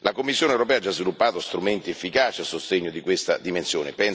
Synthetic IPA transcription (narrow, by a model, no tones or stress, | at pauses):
lakomːisːjoːnewɾopɛːad͡ʒːazvilupːaːt̪ost̪ɾument̪iefːikaːt͡ʃiasost̪eɲːod̪ikwest̪a̰d̪imensjoːnepɛn